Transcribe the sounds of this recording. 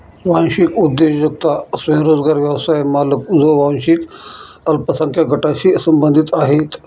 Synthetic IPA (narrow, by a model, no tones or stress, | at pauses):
ʋãñɕikud̪ːeɕd͡ʑək̚t̪asʋɐj̃ɾod͡zɡaɾʋjəwsajmalək̚d͡zoʋãnɕik | əlpəsəŋkjaɡʱəʈaɕisəmbənd̪ʱit̪aɦet̪